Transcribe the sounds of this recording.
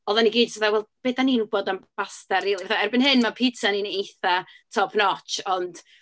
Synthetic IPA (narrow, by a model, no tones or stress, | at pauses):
ɔðaniɡiːdsaθawɛlˠb̥eːdaninuboːdanb̥astɛriːlˠivaθaɛrbɪnhɪnmapʰitʰaninejθatʰɔpʰnɔt͡ʃɔnd̥